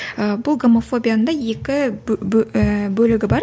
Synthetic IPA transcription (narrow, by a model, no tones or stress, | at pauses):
əbʊlˠɡo̞mo̞fo̞bʲijanənd̪ɑje̞kʲɪ | bɵlɪɡʲɪbɑɾ